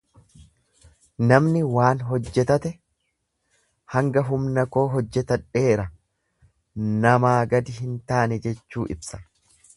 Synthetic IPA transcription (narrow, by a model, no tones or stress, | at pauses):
nɐmnɪwaːnɦɔd͡ʒːɛt̪ɐt̪ɛ | hɐŋɡɐɦʊmnɐko̞ːɦɔd͡ʒːɛt̪ɐᶑe̞ːɾɐ | nɐmaːɡɐd̪ɪhɪnt̪aːnɛd͡ʒɛt͡ʃːuːʔɪbsɐ̥